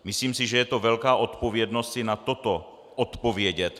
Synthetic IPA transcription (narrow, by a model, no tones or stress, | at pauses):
mɪsliːmsɪʒɛjɛt̪o̞vɛlkaːʔo̞t̪po̞vjɛdnost̪sɪnat̪o̞t̪o | ʔot̪po̞vjɛɟɛt̪